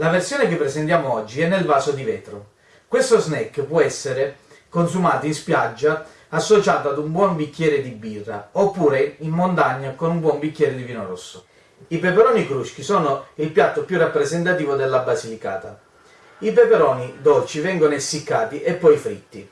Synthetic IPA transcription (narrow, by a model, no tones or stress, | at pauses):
laversjoːnekepːɾɛsent̪jaːmoɔd͡ʒːiɛnːelvaːsod̪ivɛːt̪ɾo | kwest̪oznɛkːpwɔɛsːeɾe | konsumaːt̪oinspjad͡ʒːa | asːot͡ʃaːt̪ad̪umbwɔmbikːjɛːɾed̪ibːiːraopːuːɾeimːont̪aɲːakonumbwɔmbikːjɛːɾed̪iviːnoɾosːo | ipepeɾɔːnikɾuʃk̟isɔːnoilpjat̪ːopjurapːɾezent̪at̪iːvod̪elːabazilika̰ːt̪a̰ | ipepeɾɔːnid̪ɔlt͡ʃivɛŋɡonoesːikːaːt̪iʔepːɔjfɾit̪ːi